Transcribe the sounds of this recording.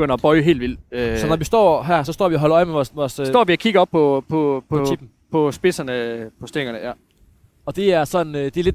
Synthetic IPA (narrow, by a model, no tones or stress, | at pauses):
ɡ̥øn̰ɐb̥ɒ̽ɪɦe̝̰ːld̥ʋil̰øsɒnɒʋisd̥ɒ̰ːɦæɐ̰sɒ̽sd̥ɒ̰ːʋiɒɦɒ̽lɐɒ̽ɪmeʋɒsdɒ̰ːʋiɒkʰiɡ̥ɐɒ̽b̥̚pʰːɒ̽pʰɔ̽pʰib̥n̩ | pʰɒ̽sb̥e̝sɐnəpʰɒ̽sd̥eŋɐnəjæ | ɒ̽d̥e̝æɐsɒ̽nd̥e̝le̝d̥